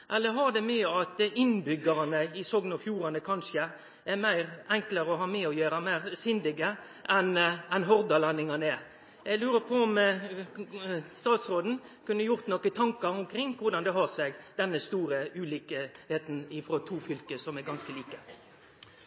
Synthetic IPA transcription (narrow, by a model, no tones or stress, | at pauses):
ʔɛlːəɾɦɑʁd̪ɛmyːəɑt̪əɪnbʏɡəɾɑnəɪsɔɡnɔfjuːɾɑnəkʰɑnʃə | æɾmæɪʁɛŋkləɾəɔɦɑːmɛːɔjøːɾəmæɪʁsʏnd̪ɪɡə | ʔɛnɛnɦɔɾd̪ɑlɑnɪŋɑnəɛ | jæɪɡlʉːɾəpʰɔɔm | st̪ɑːt̪sɾoːd̪n̩kʉnːəjʊɾt̪nɔkːət̪ʰɑŋkɑɾʊmkʰɾɪŋːʋʊɾd̪ɑnd̪ɛɦɑʁsɛɡd̪̥ɛnːəst̪uːɾəʉːliːkəheːt̪nɪfɾɔt̪ʰuːfʏlkəsɔmɛɡɑnskəliːkə